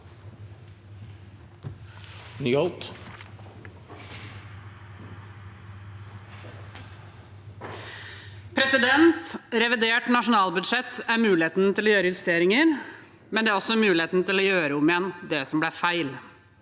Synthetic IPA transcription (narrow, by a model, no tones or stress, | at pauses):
nyːɔlt̪ | pʰɾɛsɪd̪ɛnt̪ɾɛʋɪd̪eːʈnɑʂʊnɑːlbʉd̪ʂɛt̪ːæɾmʉːlɪeːt̪n̩t̪ʰɪloːjøːɾəjɪʋɛst̪eːɾɪŋəɾ | mɛnd̪ɛæɾɔsːɔæɾmʉːlɪeːt̪n̩t̪ʰɪlɔːjøːɾəʊmɪjɛnd̪ɛsɔmblæːfæɪl